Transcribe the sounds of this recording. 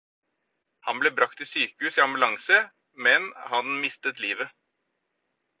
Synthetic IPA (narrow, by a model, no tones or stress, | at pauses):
hɑnblɛbɾɑk̚t̪ʰːɪsyːkəhʉːsɪɑmbʉlɑŋsə | mɛnhɑnmɪst̪ət̪liːʋə